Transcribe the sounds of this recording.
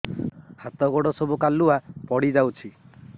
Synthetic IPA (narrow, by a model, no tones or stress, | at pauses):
hat̪ɔɡoɽɔsɔbukaluapɔɽid͡ʒawt͡ʃʰi